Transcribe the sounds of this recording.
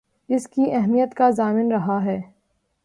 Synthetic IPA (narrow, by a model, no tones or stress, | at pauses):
ɪskiɛɦmijət̪kazaːmɪnɾɐɦaɦɛː